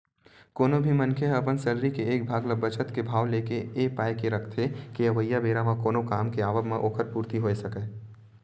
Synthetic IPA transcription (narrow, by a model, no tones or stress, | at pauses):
koːnobʱimɐ̃nkʰeɐpənsɐɾɾikeeːk̚bʱaːɡləbɐt͡ʃət̪kebʱaːʋleːkeeːpaːjkeɾɐkʰt̪ʰekiɐʋəjːabeːɾamãkoːnokaːmkeaːʋəbmẽʔoːkʰəɾpuːɾt̪iɦoːesɐkeː